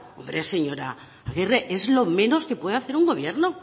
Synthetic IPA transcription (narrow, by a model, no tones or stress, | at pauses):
ombɾese̞ɲo̞ɾa̰ː | ɣireʔezlo̞me̞no̞ske̞pweðaθeɾuŋɡo̞βje̞ɾno